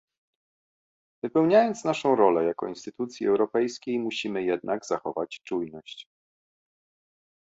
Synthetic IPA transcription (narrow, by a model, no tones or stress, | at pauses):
vɘpɛwɲajɔnt̪snaʂɔ̃w̃ɾɔlɛjakɔ̰inst̪ɘt̪ut̪sʲjiɛwɾɔpɛjskʲejmuɕimɘjɛd̪nʔaɡzaxɔvat͡ɕt͡ʂujnɔɕt͡ɕ